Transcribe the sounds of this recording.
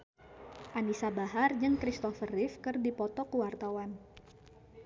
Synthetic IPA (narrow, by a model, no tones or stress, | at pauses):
ʔanisabaɦard͡ʒɨŋkɾist̪ɔfərɪfkɨrdipɔt̪ɔkuwart̪awan